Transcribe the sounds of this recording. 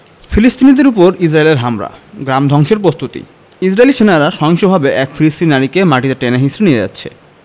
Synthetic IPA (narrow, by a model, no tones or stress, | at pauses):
filisʈ̪inid̪eɾupoɾid͡ʑɾaeleɾɦamɾa̰ɡɾamd̪ʱɔŋʃeɾpɾost̪ut̪ḭ | isɾaeliʃenaɾaʃɔɦoŋʃobʱabeʔɛkfilist̪ininaɾikemaʈid̪eɾʈenaɦisɾenijed͡ʑa̰tːɕʰḛ